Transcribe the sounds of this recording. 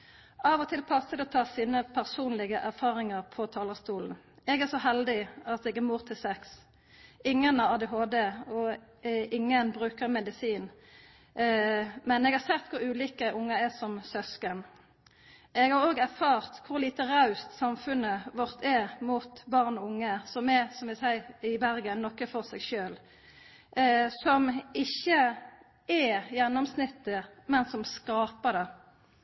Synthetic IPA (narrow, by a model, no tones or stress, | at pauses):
ɑʋɔt̪ʰɪlpʰɑsəd̪ɛɔt̪ʰɑːsiːnəpʰæʁsuːnlɪɡəʔæʁfɑːʁɪŋɑʁpʰɔt̪ʰɑːləst̪uːln̩ | ɛɡæsɔɦɛld̪ɪɑt̪ɛːɡɛmuːʁt̪ʰɪlsɛks | ɪŋːənɑɑːd̪ɛɦoːd̪eɔʔɪŋːənbʁʉːkəʁmɛd̪ɪsiːn | mɛnɛːɡhɑʁsɛt̪ːkʰʊɾʉːliːkəʔʊŋːɑɛsɔmsœskən | ɛɡhɑʁoːɡæɾfɑːʁt̪kʰʊʁliːt̪əʁɑʉst̪sɑmfʉnəʋɔʁt̪ʰɛmut̪bɑʁnɔʊŋːəsɔmɛsɔmʋɪsæɪɪbæɾɡənnɔkːəfɔʁsɛɡʃøːl | sɔmɪçːə | ɛjɛnːɔmsnɪt̪ːəmɛnsɔmskɑːpəd̪ɛ